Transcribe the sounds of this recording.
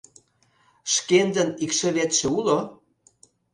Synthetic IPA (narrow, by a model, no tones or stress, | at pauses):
ʃkend̪ə̆nikʃĕβet̪ʃĕulo